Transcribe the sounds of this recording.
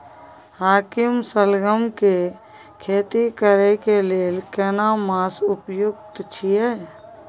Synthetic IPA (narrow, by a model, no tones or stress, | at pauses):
haːkɪmsəlɡəmke | kʰeːt̪ikəɾekeleːlkɛːnamaːsʊpjʊk̚t̪t͡ʃʰijɛ